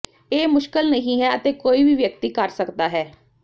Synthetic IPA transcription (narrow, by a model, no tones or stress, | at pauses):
eːmʊʃkəlnəɦĩːɦɛːət̪eːkoːiːʋiːʋjək̚t̪iːkəɾsəkd̪aːɦɛː